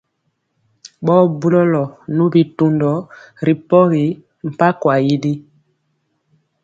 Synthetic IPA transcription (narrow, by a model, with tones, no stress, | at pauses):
ɓɔː˦bu˦lɔ˦lɔ˨nu˦bi˨tu˨ndɔ˨˦ | ɾi˨pɔ˦ɣi˨ | m̩˨pa˦kwa˨ji˦di˦